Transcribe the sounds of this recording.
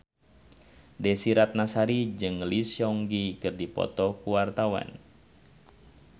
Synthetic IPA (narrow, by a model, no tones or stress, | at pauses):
dɛsiɾat̪̚nasaɾid͡ʒɨŋlisjɔŋɡikɨrdipɔ̰t̪ɔkuwart̪awa̰n